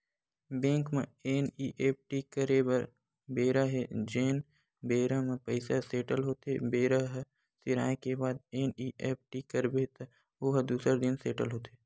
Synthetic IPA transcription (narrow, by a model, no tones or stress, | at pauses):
bẽːŋkmẽeːniːʔeːp̚ʈikəɾeːbəɾ | beːɾaɦed͡ʒeːn | beːɾamẽpəɪsaseːʈəlɦoːt̪ebeːɾəɦ | sɪɾa̰ːẽkebaːd̪eːniːʔeːp̚ʈikəɾbet̪ | oːɦd̪uːsəɾd̪ɪnseːʈəlɦoːt̪eː